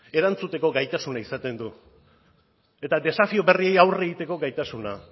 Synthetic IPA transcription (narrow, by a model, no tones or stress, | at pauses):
e̞ɾant͡sut̪e̞ko̞ɡajt̪asunaisat̪e̞nd̪u | e̞t̪ad̪e̞safio̞βe̞rie̞jawre̞ɣit̪e̞ko̞ɡajt̪asuna